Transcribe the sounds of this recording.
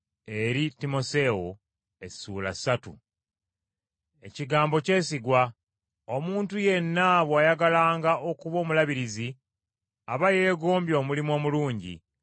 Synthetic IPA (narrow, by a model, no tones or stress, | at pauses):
e̞ɾitimo̞se̞o | e̞sṵːla̰satṵ | e̞̰ciɡaːmbo̞ce̞ːsiɡwa | omuːntuje̞nːaβwaːjaɡalaːŋɡaʔo̞kuβo̞ːmulaβiɾizi | aβaje̞ːɡo̞ːmbjo̞ːmulimo̞ːmuluːɲɟḭ